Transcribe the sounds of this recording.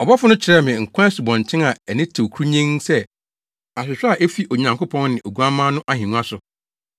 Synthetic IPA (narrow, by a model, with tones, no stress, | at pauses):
ɔ˨bɔ˦fʊ˦nʊ̃˦t͡ɕʰɪ˨ɾɛ˦mɪ̃˨ŋ̩˨kʷʰã˦su˨bɔ̃˨n˨t͡ɕʰɪ̃˦na˨ɛ˨nɪ̃˦tʰo˨kʰɾu˦ɲɛ̃˦ŋsɛ˦ | a˨sʊ˨sʊ˦a˨ʔe˦fi˦ʔo˨ɲã˨ŋkʊ˦pʰɔ̃˦n˦nɪ̃˨ʔo˨ɡu˦a˦mã˦nʊ̃˦ʔa˦˨hĩ˨nũ˦a˦sʊ˨